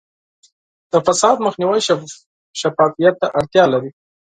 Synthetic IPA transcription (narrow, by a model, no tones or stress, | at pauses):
d̪̥əfasɑd̪məxniwaj | ʃafɑfijat̪ːaʔaɽt̪jɑlaɾi